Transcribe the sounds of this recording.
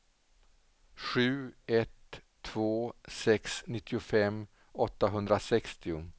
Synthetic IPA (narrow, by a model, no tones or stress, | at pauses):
ɧʉ̟ːɛt̪ʰː | v̥oːsɛksnɪt̪ʰːɪʊfɛmː | ɔt̪ːaɦɵnd̪ɾasɛkst̪ɪʊ